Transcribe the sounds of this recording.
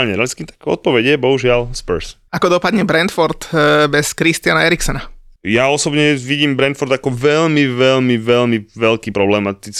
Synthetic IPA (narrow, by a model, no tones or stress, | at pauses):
lɲɛɾɛskiːt̪ḁkɔ̰t̪̚pɔʋɛɟjɛbɔɦuʒɪalspɛɾs | akɔd̪ɔpad̪ɲɛbɾɛnt̪fɔɾt̪bɛskɾist̪ɪanaɛɾiksɔnajaɔsɔbɲɛʋiɟiːmbɾɛnt̪fɔɾd̪akɔʋɛlmiʋɛʎmiʋɛʎmiʋɛlkiːpɾɔblɛmat̪it͡s